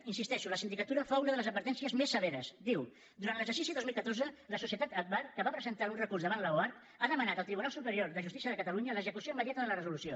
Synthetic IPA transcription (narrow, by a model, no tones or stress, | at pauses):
insist̪ɛʃuləsind̪ikət̪uɾəfaunəðələzəd̪bəɾt̪ɛnsiəzmesːəβɛɾəzd̪iw | d̪uɾantləzəɾsisiðozmilˠkət̪orzələsusiət̪at̪ət̚βarkəβapɾəzənt̪aɾunrəkurzðəβanləwaɾt̪ | aðəmənat̪əlˠt̪ɾiβunalˠsupəɾioɾðəʒust̪isiəðəkət̪əluɲələzəkusioiməðjat̪əðələrəzulusio